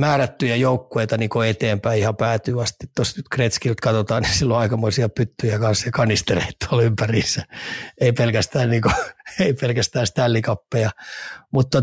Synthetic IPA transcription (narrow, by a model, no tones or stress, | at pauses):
mæːræt̪ːyjæjoukːueit̪ɑniːŋkoet̪eːmpæiihɑpæːt̪yːɑst̪it̪ːosnyt̪kret̪skilt̪kɑt̪ot̪ɑːnisilːoɑikɑmoisiɑpyt̪ːyjækɑnsjɑkɑnist̪ereit̪ːolympæriːsːæeipelkæst̪æːnniːkoeipelkæst̪æːst̪ælːikɑpːejɑmut̪ːɑ